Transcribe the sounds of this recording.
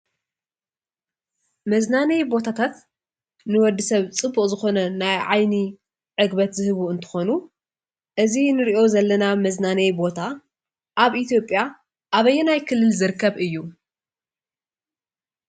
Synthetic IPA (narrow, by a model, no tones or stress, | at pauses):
mɐznanɐjbo̞t̪ʰat̪ʰat̪ | nɨwɔd̪ːɨsɐβt͡sʼɨbːuqʼzɨxo̞nɐnajʕajni | ʕɨɡbɐt̪zɨhɨβuɨnt̪ʰɨ̥xo̞nu | ʔɨzinɨɾiʔo̞zɐlːɐnamɐznanɐjbo̞t̪ʰa | ʔaβʔit̪ʰijo̞pʼːja | ʔaβɐjːɛnajkʰɨlːɨlzɨɾɨkːɐβɨjːu